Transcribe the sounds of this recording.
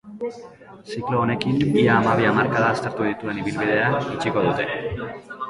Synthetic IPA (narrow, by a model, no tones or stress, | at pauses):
sikloːne̞kiniaːmaβ̞iamaɾkaðaːst̪e̞ɾt̪uðit̪ue̞niβilβið̞e̞ait͡ʃiko̞ðut̪e̞